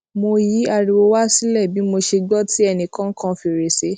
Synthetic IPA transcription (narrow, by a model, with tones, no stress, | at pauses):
mo˧ji˨˦a˧˨ɾi˨˧wo˧wa˦si˦lɛ˦˨bi˨˦mo˧ʃe˧ɡ͡bɔ˦ti˦ɛ˧nĩ˧kã˦kʰã˦fi˧˨ɾe˨se˨˦